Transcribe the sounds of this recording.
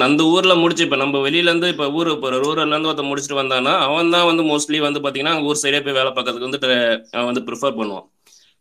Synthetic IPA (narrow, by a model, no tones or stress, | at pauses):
ɐnd̪ɐuːɾɪlɐmʊɽɪt͡ʃːɯɪpːɐːnɐmbɐʋɛɭɪjlɐɾɯnd̪ɯɪpːoːuːɾɯpːoːɾɐɾuːɾɐlːɐɾɐnd̪ɯɐt̪ɐmʊɽɪt͡ʃːɪʈːɯʋɐnd̪ãːnːaːɐʋɐ̃nt̪ãːʋɐnd̪ɯmoːsʈliʋɐnd̪ɯpaːɾt̪iŋɐnːaːŋɡɐuːɾɯsɛɾiɐɪp̬ːoːjʋeːɭɐpːaːkːɾɐðɯkːɯʋɐnd̪ɯʈɐʋɐʋɐnd̪ɯpɪɾɪfɐɾpɐɳːɯʋã̰ː